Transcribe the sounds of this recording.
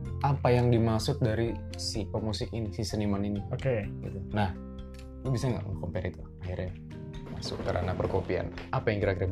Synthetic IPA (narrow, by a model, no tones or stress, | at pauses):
apajaŋdimasʊt̚daɾi | sipəmusɪkinisisənimaniniokeɡḭt̪unah | kubisaŋɡa̰ʔŋa̰kɔmpɛɾit̪uaɦirɲa | ma̰sʊ̰kkəɾa̰napərkopia̰napajaŋɡiɾakiɾa